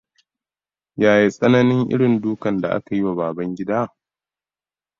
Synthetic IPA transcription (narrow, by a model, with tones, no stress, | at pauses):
jaː˨ji˦sʼɐ˦nɐ˦nɪ˦ŋʔɪ̰˦ɽɪ˨nduː˦kɐ˨nda˨ʔa̰˦ka˨ji˦wa˨baː˨bɐ˦ŋɡʲɪ˦daː˦˨